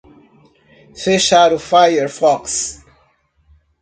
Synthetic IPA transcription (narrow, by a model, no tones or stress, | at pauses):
feʃaɾufajəɾfɔks